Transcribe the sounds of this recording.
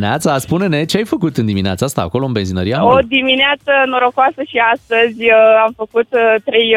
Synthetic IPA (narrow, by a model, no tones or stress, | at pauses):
nat̪saspune̞ne̞t͡ʃeajfəkut̪ɨnd̪imineat̪saast̪a̰ːko̞lo̞ɨnbe̞nzinəɾijaod̪imineat̪sənoɾokoasəʃiast̪əzʲamfəkut̪t̪ɾe̞j